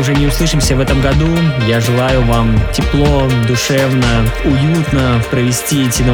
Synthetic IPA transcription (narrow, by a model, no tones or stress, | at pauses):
ʊʐɛnʲɪʊslˠɨʂɨmsʲəvɛt̪əmɡɐd̪ujaʐɨlˠajʊvamtʲɪplˠo̞d̪ʊʂɛvnəʊjut̪nəpɾəvʲɪsʲtʲiɛtʲɪnə